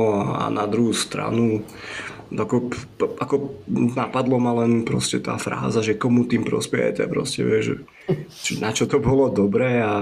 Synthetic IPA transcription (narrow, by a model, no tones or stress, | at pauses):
ɔaa̰nad̪ɾuɦuːst̪ɾa̰nu | akɔ | ʔakɔnapad̪lɔmalɛnpɾɔ̰scɛt̪a̰ːfɾa̰ːzaʒɛkɔmut̪iːmpɾɔ̰spɛ̰jɛ̰tɛ̰pɾɔ̰scɛ̰ʋɪɛʒɛ̰ | t͡ʃɛnat͡ʃɔt̪ɔbɔlɔd̪ɔbɾɛːa